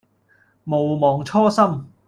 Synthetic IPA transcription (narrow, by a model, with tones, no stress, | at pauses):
mo˨wmɔː˨ŋt͡ʃʰɔː˥sɐ˥m